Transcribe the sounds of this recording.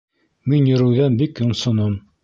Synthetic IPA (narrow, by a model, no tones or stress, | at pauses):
minjɵ̆ɾɘ̆wðænbikjŏɴsŏnom